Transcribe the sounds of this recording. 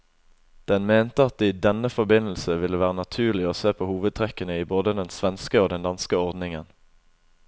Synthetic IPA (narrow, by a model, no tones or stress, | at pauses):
d̪̥ɛnmeːnt̪əɑt̪̚iːd̪ɛnəfɔbɪnl̩səʋɪlːəʋæːʁənɑt̪ʰʉːʁlɪoːseːpʰoːhuːʋəd̪̚t̪ʰʁɛkənəiːboːd̪əd̪ɛnsʋɛnskəoːd̪ɛnd̪ɑnskəɔʁd̪nɪŋən